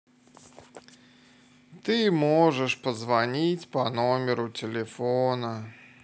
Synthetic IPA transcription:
t̪ɨmɔʐɛʂpɐzvanʲit͡sʲpɐnɔmʲɛɾut͡sʲɛlʲɛfɔnɐ

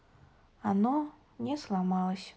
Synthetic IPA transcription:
anɔ | nʲɛslˠamalˠəsʲ

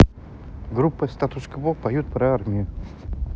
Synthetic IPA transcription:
ɡɾupːəst̪at̪ʊʂkəbopɐjut̪̚pɾɐarmʲɪjʊ

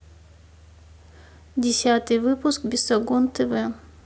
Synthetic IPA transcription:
dʲɪsʲat̪ɨjvɨpʊskbʲɪsɐɡont̪ɛvɛ

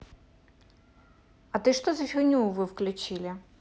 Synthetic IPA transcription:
ɐt̪ɨʂt̪ɔzɐfʲɪnʲuʋɨwklʲʊt͡ɕilʲɪ

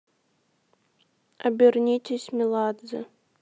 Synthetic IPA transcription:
ɐbʲirnʲitʲesʲmʲilˠad̪zɨ̰

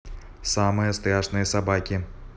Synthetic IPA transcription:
samɨjəst̪ɾaʂnɨjəsabakʲi

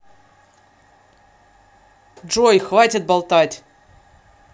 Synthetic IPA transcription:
ʐojxvatʲɪt̪̚bɐlˠt̪atʲ

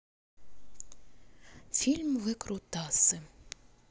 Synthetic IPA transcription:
fʲilʲmʋɪkɾʊt̪ɑsɨ

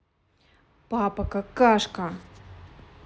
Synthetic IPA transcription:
papakakaʂka

